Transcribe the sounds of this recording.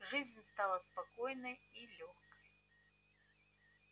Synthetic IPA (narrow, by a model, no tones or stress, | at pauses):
ʐɨzʲnʲst̪alˠɐspakɔjnɐjilʲɔxkʰɐj